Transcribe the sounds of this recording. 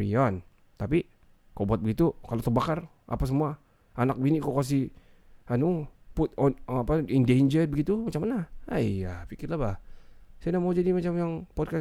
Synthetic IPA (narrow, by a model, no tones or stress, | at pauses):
ian | t̪api | kobuat̪̚əɡit̪ukalot̪ərbakar | ʔa̰pas̬əmua | anak̚binikokas̬i | hanupʊt̪̚ɔnapaindend͡ʒərdbəɡit̪umat͡ʃamːanaaijapikɪrlabahsajanamawd͡ʒadimat͡ʃamjaŋpɔd̚ka